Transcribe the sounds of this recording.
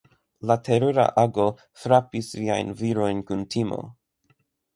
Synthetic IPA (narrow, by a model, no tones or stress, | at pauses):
latʰeɾoɾa̰ʔaɡo̞ | fɾapisːia̰jnviɾo̞jnkuntʰimo̞̰